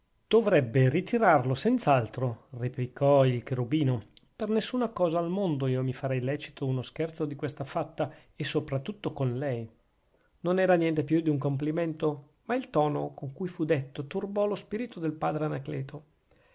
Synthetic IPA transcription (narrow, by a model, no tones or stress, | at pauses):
d̪̥ovɾɛbːerit̪ʰiɾarlosɛnt̪saalt̪ɾoreplikɔilkeɾubiːno | pernesːunakɔːzaːlmond̪oiːomifaɾɛjlɛːt͡ʃi̥t̪ʰounoskɛrt̪sod̪ikwest̪afat̪ːa | esːopɾat̪ːut̪ːokonlɛj | nonɛːɾanjɛnt̪epjud̪iuŋkomp̬liment̪o | mailt̪ɔːnokoŋkujfud̪et̪ːot̪urbɔlospiːɾit̪od̪elpaːd̪ɾeanaklɛːt̪ʰo